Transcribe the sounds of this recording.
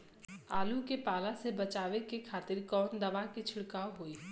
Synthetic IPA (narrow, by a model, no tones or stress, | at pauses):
aːlukepaːlasebɐt͡ʃaːʋekekʰaːt̪ɪɾkɔːnd̪ɐʋakit͡ʃʰɪɽkaːoɦoiː